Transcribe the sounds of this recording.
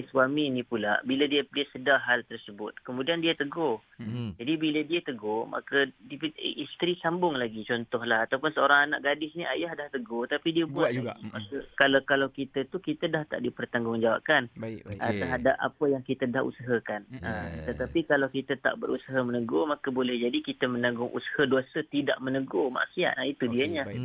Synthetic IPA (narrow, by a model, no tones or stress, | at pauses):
swaminĩpulabilədiədiəsədaɦalt̪ərsəbʊt̪̚kəmũdiandiət̪əɡo | d͡ʒadibilədiət̪əɡomʔa̰kədiʔist̪ɾisambʊŋlaɡit͡ʃɔnt̪ɔɦlahat̪awpʊnsəoɾaŋana̰ʔɡadɪsniʔajahdaht̪əɡot̪apidiəbuaaskalakalawkit̪ət̪ukit̪ədaht̪a̰ʔdipərt̪aŋɡʊŋd͡ʒawa̰p̚kanʔət̪ərɦadap̚a̰pəjaŋkit̪ədahṵsəɦəkanət̪ət̪apikalawkit̪ət̪a̰ʔbəɾusəɦəmənəɡomakəbolɛhd͡ʒadikit̪əmənaɡʊŋʔṵsə̥həduasət̪ida̰ʔmənəɡoma̰ʔsia̰t̪̚ait̪udiəɲa